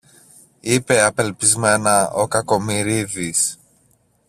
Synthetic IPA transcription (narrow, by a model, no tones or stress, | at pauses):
ipe̞ɐpe̞lpizme̞nɐokɐko̞miɾiðis